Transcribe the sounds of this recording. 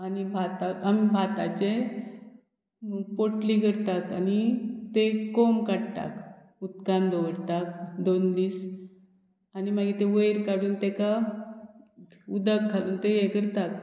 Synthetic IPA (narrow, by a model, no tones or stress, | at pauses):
anibʱat̪akamibʱat̪a̰t͡ɕe | mupoʈlikəɾt̪akanit̪ekomkaɽt̪a̰k | ut̪kãnd̪ɔʋəɽt̪ak̚d̪ond̪iːs | animaɡit̪ẽʋəjɾkaɽuːnt̪eka | ud̪əkkːaluːnt̪ejekəɾt̪ak̚